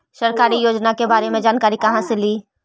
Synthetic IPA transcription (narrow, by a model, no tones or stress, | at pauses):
ʃɐɾkaːɾijoːd͡ʒnakebaːɾemẽd͡ʒaːnkaːɾikɐɦãseliː